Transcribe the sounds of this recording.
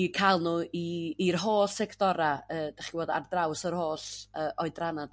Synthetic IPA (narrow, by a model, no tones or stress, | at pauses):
ikʰajlˠnuːiirɦoːsɛkʰd̥ɔɾaəːd̥aχiwoːda̰rdrawsərhoːsəːʔɔɨdranad̥